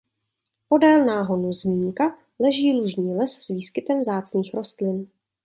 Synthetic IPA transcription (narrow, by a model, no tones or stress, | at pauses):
po̞dɛːlnaːɦo̞nuzmiːŋka | lɛʒiːluʒɲiːlɛsz̥viːskɪt̪ɛmvzaːt͡sniːxɾo̞st̪lɪn